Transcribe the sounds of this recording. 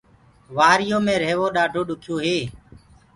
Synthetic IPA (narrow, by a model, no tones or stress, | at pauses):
ʋaːɾɪjoːmẽːɾeːʋoːɗaːɖʱoːɗʊkʰjoːɦeː